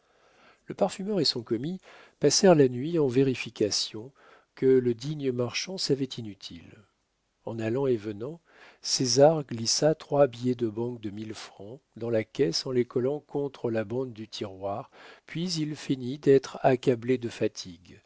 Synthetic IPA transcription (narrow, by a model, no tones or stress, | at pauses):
ləpaʁfymœʁesɔ̃kɔmi | pasɛʁlanɥiɑ̃veʁifikʲasjɔ̃ | kələd̪iɲəmaʁʃɑ̃savɛt̪inyt̪ʰḭl | ɑ̃nalɑ̃evənɑ̃ | sezaʁɡlisat̪χwabijɛd̪əbɑ̃k̚d̪əmilfχɑ̃d̪ɑ̃lakʲɛsɑ̃lekɔlɑ̃kɔ̃t̪χəlabɑ̃d̪ːyt̪ʰiʁwaʁpɥizilfinid̪ɛt̪χakabled̪əfat̪ʰiɡ